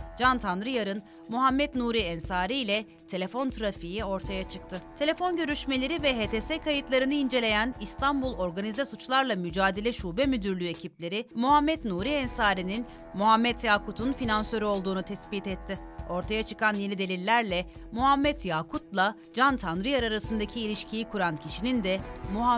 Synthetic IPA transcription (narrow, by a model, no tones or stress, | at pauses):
d͡ʒant̪ʰanɾɯjaɾɯn | muɦamːɛt̪nuːɾiɛnsaːɾijlʲɛ | t̪ʰe̞lʲe̞fo̞nt̪ʰɯɾafijio̞ɾt̪ʰajat͡ʃʰɯk̚t̪ʰɯt̪ʰe̞lʲe̞fo̞nɟø̞ɾyʃme̞lʲe̞ɾivɛɦeːt̪ʰesɛkʰajɯt̪lˠaɾɯnɯind͡ʒe̞lʲe̞jænist̪ʰambulˠo̞ɾɡanizɛsut͡ʃlˠaɾlˠamyd͡ʒaːd̪e̞lʲɛʃuːbɛmyd̪yɾlʲye̞cʰiplʲe̞ɾɪmuɦamːɛt̪nuːɾiɛnsaːɾinin | muɦamːɛt̪jaːkʰut̪ʰunfinansø̞ɾyo̞lˠd̪uːnut̪ʰɛsbit̪ɛt̪ʰːɪo̞ɾt̪ʰajat͡ʃʰɯ̥kʰanjenid̪e̞lʲilʲːæɾlʲɛ | muɦamːɛt̪jaːkʰut̪lˠa | d͡ʒant̪ʰanɾiaɾaɾasɯnd̪acʰiːlʲiʃcʰijikʰuɾancʰiʃinind̪ɛmuɦa